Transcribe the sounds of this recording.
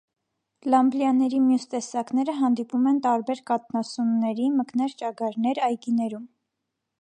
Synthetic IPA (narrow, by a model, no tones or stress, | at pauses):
lɑmbljɑnɛɾimjust̪ɛsɑkn̪ɛɾəɦɑnd̪ipumɛnt̪ɑɾbɛɾkɑt̪̚nɑsumnɛɾiməknɛɾt͡ʃɑɡɑɾnɛɾɑjkinɛɾum